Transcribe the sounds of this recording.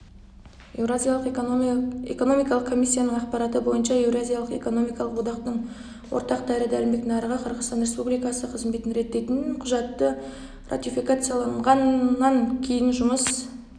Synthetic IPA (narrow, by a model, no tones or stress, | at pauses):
ewzijalˠq | ḛko̞no̞mijkɑlˠəqkʰːo̞misʲːijanəɴɑqpɑɾɑt̪əbo̞jənʃɑe̞vrazʲijalˠəqe̞̰ko̞no̞mijkɑlˠəqwo̞d̪ɑqt̪əɴ | wo̰ɾt̪ɑqd̪æɾəd̪ælɪmbe̞t̪ʲɪnɑɾəʁɑqʰəɾʁəzt̪ɑnɾʲe̞spublijkɑsəqʰəzme̞t̪ɪnɾe̞t̪ːe̞jt̪ɪnqʰʊʒɑt̪ːə | rʔa̰t̪ʲifijkat̪sɨjɑlˠɑɴʁɑnːɑŋkʲʰe̞jɪnʒʊməs